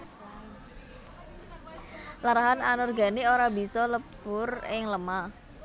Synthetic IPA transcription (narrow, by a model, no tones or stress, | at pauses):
laɾaɦananɔrɡa̤nioɾabi̤sɔləpʊrɪŋləma